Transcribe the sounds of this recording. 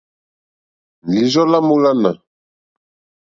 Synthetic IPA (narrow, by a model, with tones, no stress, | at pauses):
li˨zɔ˦la˦mo˦la˦na˨